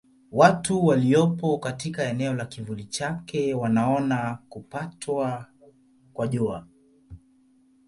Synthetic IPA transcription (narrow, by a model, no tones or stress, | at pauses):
watuwaliɔpɔkatikaɛnɛɔlakivulit͡ʃakɛwanaɔnakupatʰwa | kwaʄua